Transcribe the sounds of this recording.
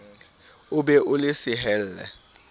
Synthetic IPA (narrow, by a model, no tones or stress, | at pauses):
ʊbɛʔʊlɪsɪɦɛl̩ːlɛ̰